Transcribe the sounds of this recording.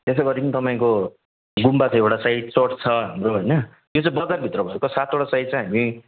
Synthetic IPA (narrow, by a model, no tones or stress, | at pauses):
t̪eseɡʌɾikinit̪ʌpaĩko | ɡumbat͡sãewʈasait̪̚soʈt͡sʰʌɦamroɦojnʌ | jot͡sãbʌd͡zarbʱit̪rʌbʱʌekosat̪ʰoʈasaid̪̚t͡saj̃ɦami